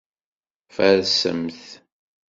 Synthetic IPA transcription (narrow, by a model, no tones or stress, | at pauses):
fæðsə̰mθ